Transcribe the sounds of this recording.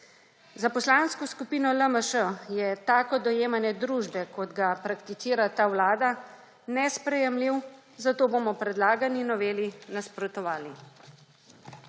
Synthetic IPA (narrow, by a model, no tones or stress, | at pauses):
zapɔslaːnskɔskupiːnɔləməʃəjɛt̪aːkɔd̪ɔjeːmanɛd̪ɾuːʒbɛkɔd̪ɡapɾakt̪isiːɾat̪aːwlaːd̪a | nɛspɾɛjɛmliw | zat̪oːbomɔpɾɛd̪laːɡaninɔʋeːlinaspɾɔt̪ɔʋaːli